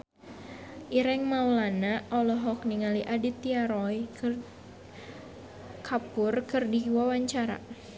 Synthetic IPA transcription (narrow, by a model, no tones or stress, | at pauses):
ʔiɾɛŋmaulanaʔɔlɔɦɔk̚niŋaliʔadit̪iaɾɔj | kʰapʊrkɨrdiwawaɲt͡ʃaɾa̰